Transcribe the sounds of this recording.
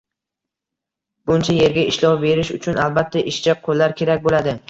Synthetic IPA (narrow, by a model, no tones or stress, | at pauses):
b̥ʊnt͡ʃʰaje̞ɾɡʲaɪʃlɒwbe̞ɾɪʃʊt͡ʃʰʊnalbat̪ʰːaʔɪʃt͡ʃʰaqʰolːaɾkʲʰe̞ɾakʲbolad̪ɪ